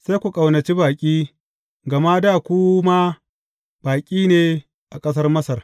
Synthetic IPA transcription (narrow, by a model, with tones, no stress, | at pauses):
sa˦jkʷu˨kʼa˨wnɐ˨t͡ʃi˦baː˨kʲʼiː˦ | ɡɐ˨maː˦daː˦˨kʷu˦maː˦ | b̥aː˨kʲʼiː˦neː˨ | ʔa˨kʼɐ˦s̬ɐ˦rmɐ˦sɐ˨r